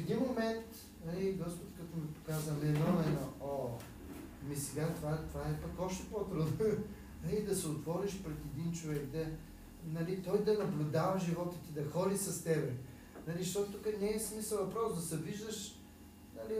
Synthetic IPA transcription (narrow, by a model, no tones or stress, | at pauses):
fɛd̪inmomɛnt̪ | nɐliɡɔspʊt̪kɐt̪omipo̥kazənɛnɔlɛnoo | misɛɡat̪ovat̪ovaɛpɐkɔpʃt̪ɛ̥pot̪ɾud̪no | nɐlid̪ɐsɛot̪vɔɾiʃpɾɛt̪ɛd̪int͡ʃovɛkd̪ɐ | nɐlit̪ɔjd̪ɐnɐblʲʊd̪avɐʒivɔt̪ət̪id̪ɐxɔlisɐst̪ɛbɾɛ | nɐliʃt̪ɔt̪ʊt̪ukənɛɛsmisəlˠvɐpɾɔsd̪ɐsɛviʒd̪əʃ | nɐli